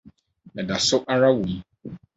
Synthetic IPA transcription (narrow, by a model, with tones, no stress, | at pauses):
ɛ˨da˨so˦ʔa˦ɾa˦wu˨˦